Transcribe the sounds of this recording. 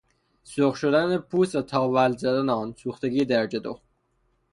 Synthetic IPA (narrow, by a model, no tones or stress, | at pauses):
soχʃod̪ænepʰuːsæt̪ʰɒːvælzæd̪ænɑːnsuːxt̪eɡiːd̪æɾd͡ʒed̪o̰